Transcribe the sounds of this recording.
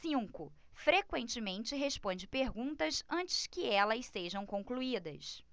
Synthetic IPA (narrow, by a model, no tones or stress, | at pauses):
sĩkʊ | fɾekwẽnt͡ʃɪmẽnt͡ʃɪɦeʃpõnd͡ʒɪpeɾɡũnt̪ɐsɐ̃t͡ʃɪ̥skɪɛlɐseʒɐ̃w̃kõkluid̪ɐ̰s